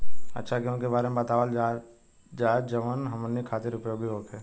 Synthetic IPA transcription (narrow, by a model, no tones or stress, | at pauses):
ɐ̰tːʃʰakjõʊnkebaːɾemebət̪aːʋəla | d͡ʒaːd͡ʒəʋənɦɐmənːikʰaːt̪ɪɾʊpjoːɡiɦoːkɛː